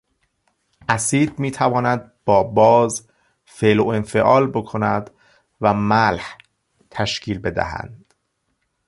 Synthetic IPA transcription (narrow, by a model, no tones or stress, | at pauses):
ʔæsiːd̪̚miːt̪ʰævɒːnæd̪̚b̥ɒːbɒːz | feloenfeʔɒːlbokʰo̞næd̪̥ | væmælh | t̪ʰæʃcʰiːlbe̞d̪æ̰hæ̰nd̪̥